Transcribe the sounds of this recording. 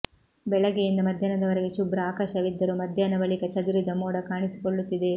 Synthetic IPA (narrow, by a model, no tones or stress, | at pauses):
bɛɭɐɡejind̪ɐmɐd̪ʱjaːnɐd̪ɐʋɐɾeɡe̞ʃubɾɐaːkɐʃɐʋid̪ːɐɾumɐd̪ʱjaːnɐbɐɭikɐt͡ʃɐd̪uɾid̪ɐmoːɽɐkaːɳisi̥koɭːut̪ːid̪e̞